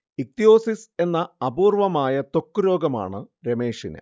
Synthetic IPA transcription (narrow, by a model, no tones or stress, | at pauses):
ik̚t̪ijo̞ːsise̞nːɐɐbuːrʋɐmaːjɐt̪o̞kːuɾo̞ːɡɐma̰ːɳɨ | ɾeme̞ːʂinɨ̰